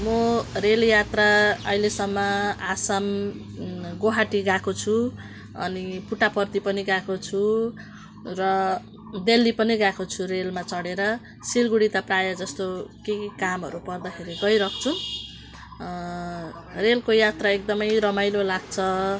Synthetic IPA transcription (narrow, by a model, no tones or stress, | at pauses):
mʌreljat̪raʌ̰ɦilesʌmːʌasam | ɡoɦaʈiɡakot͡sʰu | ʌ̰nipuʈapʌrt̪ipʌniɡakot͡sʰu | rʌ | d̪elːipʌniɡakot͡sʰurelmat͡sʌɽeɾʌ | silɡuɽit̪aprajʌd͡zʌst̪okekamɦʌ̰ɾupʌrd̪akʰeɾiɡʌjɾʌk̚ʰt͡sʰu | relkojat̪raek̚d̪ʌmʌjɾʌmajlolaɡt͡sʰʌ